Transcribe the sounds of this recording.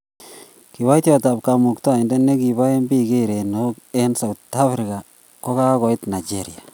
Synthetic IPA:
ki˨wa˦jtjɔ˨ta˨p̚ka˨mu˨kto˦a˨i˨nde˦ne˦ki˨βa˦e˦mbi˦ɡe˦ɾe˨no˦ke˦nsa˨wta˦fɾi˨ka˨ | ko˦ka˦kɔ˨i˦tna˨d͡ʒeɾia˨

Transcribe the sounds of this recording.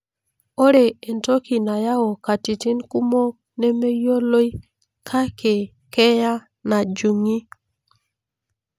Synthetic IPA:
o˦ɾe˨e˨nto˦ki˨na˨ja˦o˨ka˨ti˨ti˦nku˦mo˦ | ne˦me˦jo˦lo˦j | kʰa˦ke˨ | kɛ˦ja˦ | na˨d͡ʒu˨ŋi˦

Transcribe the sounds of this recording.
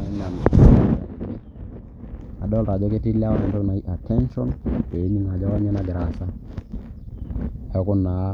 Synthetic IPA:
a˨i˦na˨n˨ | a̰˨ɗo˦lɾa˨d͡ʒo˦ke˦ti˦la˦wɛ˨nto˦kna˨i˦ʔa˨te˦nʃɔ˦nwe˨i˦ni˦ŋa˨d͡ʒa˦wa˦ɲe˦na˦ɡɾa˨sa˦ | he˦ku˦nːa˨˦

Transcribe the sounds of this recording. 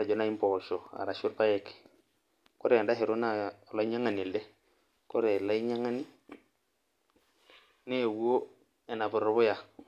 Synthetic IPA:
ɾa˨d͡ʒɔ˨˦na˦i˦m˦pɔʃɔ˨a̰˨ɾa˨ʃu˦ɾpa˦ɛ˨kɛ̥˨ | kɔ˦ɾɛ˨a˨nda˦ɦɛ˨ɾo˦na˦˨la˦i˦ɲa˦ŋa˨ni˨lɛ˦ | kɔ˦ɾɛ˨la˦i˦ɲa˦ŋa˦ni˦ | ne˦˨wu˦o˦ | ɛ˨na˨bʊ˨ɾɔ˨˦bʊ˦ja˨

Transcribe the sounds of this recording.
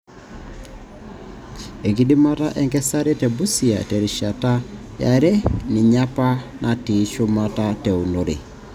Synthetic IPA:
e˨ki˦di˦ma˦ta˦ʔɛ˦ŋkɛ˦sa˦ɾe˦tɛ˨bu˦sia̰˨te˨ɾi˨ʃata˦ | ja̰˨ɾɛ˦ni˨ɲa˦pa˦nʔati˨˦ʃu˦mata˦teu˨no˨ɾḛ˨

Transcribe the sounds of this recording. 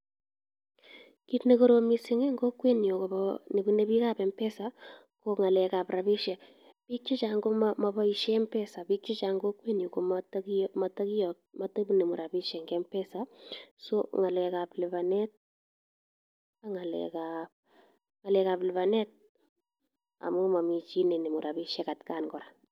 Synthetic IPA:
kitne˨koɾo˨misɪ˦ŋɛ˦ŋɡo˦kwe˦njo˨ko˨bɔne˨bu˦ne˦bi˦ka˦bɛ˨mpɛ˦sa˨ | koŋa˨lɛ˨ka˨pɾa˨biʃɛ˨ | pi˦t͡ʃːi˦t͡ʃa˨ŋɡo˦mma˨ba˦iʃɛmpɛ˦sa˨bi˦t͡ʃi˦t͡ʃa˨ŋɡo˦kːwe˦njo˨ko˨mtma˨ta˦ki˦jɔ˨ | mata˦bune˨mu˨ɾa˨bi˦ʃɛŋɡɛmpɛ˦sasɔŋa˨lɛ˨ka˨plɪ˨ba˨nɛ˦t̚ | a˨ŋa˨lɛ̰ka | ŋa˨lɛka˨plɪ˨βanɛ˦t̚ | a̰˨mu˦ma˨mi˨t͡ʃi˦ne˨ne˨mu˨ɾabiʃɛ˦ka˨tkanɡɔ˨ɾḁ˨

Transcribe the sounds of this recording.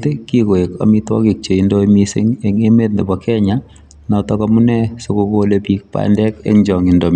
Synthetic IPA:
te˦kiko˨e˨kɔ̰˨mi˦twɔ̰˦ki˨k̚t͡ʃe˨i˦ndomi˦sḛ˦ŋeŋe˦me˦t̚nde˨bɔkʰɛ˦ɲa | nɔ˨tɔ˦kɔmu˦nɛ˦so˨ko˦kolepi˦k̚pa̰ndɛ˦kḛ˦ŋɲd͡ʒɔ˨ŋindo

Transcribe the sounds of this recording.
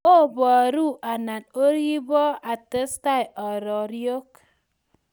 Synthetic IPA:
o˦bɔ˨a˨ɾu˦ʔa˨na˨no˦ɾi˦bɔ˦a˨tə˦sta˦jɔ˨ɾɔ˨ɾjo˦k

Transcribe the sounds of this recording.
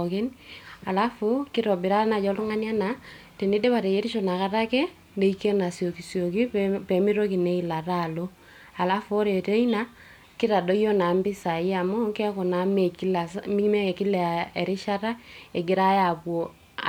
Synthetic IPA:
ke˦na˨la˦fu˦kɪ˦ɾɔ˨bɪ˨ɾa˦na˨d͡ʒɔ˦lu˦ŋa˦n˦a˦na˨te˨ne˦de˦βa˨te˨je˦ɾi˦ʃo˨na˨ka˦ta˦kɛ˦ | ne˨i˦ke˦na˨sjo˨ki˨sjo˨ki˦pɛ˨mi˦ɾo˦ki˨ne˦i˨la˨ra˦˨lo˦ | a˨la˦fːɾe˨te˦ina˦ | kɪ˦ɾa˨do˦ijo˦na˨mbɪ˦sa˨i˦a˨mo˦ŋkɛ˦kɔ˨na˨me˨ki˦la˨smi˦kme˦e˨ki˦lɛ˨e˨ɾi˦ʃa˦ɾa˦e˨ɡɪ˦ɾa˦ja˨bwo˨

